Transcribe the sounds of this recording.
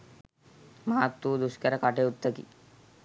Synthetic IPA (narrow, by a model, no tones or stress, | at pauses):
maɦat̪ːuːd̪uskɐɾɐkaʈeut̪ːəkḭ